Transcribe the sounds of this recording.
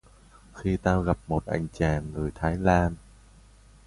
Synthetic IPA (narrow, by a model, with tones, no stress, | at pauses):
xi˧t̪aː˧ɣa˨˩p̚mo˨˩t̚ʔa̰˧˩jŋ̟t͡ɕaː˨˩nŋɨ˨˩əjt̪ʰaː˨˦jlaː˧n